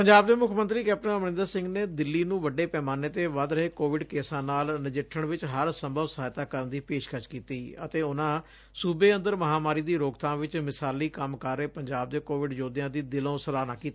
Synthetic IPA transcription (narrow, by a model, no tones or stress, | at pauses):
pəɲd͡ʒaːb̚d̪eːmʊkʰːmə̃nt̪ɾiːkɛːp̚ʈənəmɾɪ̃nd̪əɾsɪ̃ŋɡneːd̪ɪlːiːnũːʋəɖeːpɛːmaːnet̪eːʋəd̪ɾəɦeːkoːʋɪɖkeːsãːnaːlnɪd͡ʒɪʈʰːəɳʋɪt͡ʃɦəɾsəmbʱəʋsəɦaːjt̪aːkəɾənd̪iːpeːʃkʰəʃkiːt̪iːət̪eːʊnãː | suːbeːə̃nd̪əɾməɦaːmaːɾiːd̪iːɾoːkt̪ãːʋɪt͡ʃmɪsaːliːkəmkaɾːeːpəɲd͡ʒaːb̚d̪eːkoːʋɪɖd͡ʒoːd̪ɪjãːd̪iːd̪ɪlõːsəlaːnãːkiːt̪a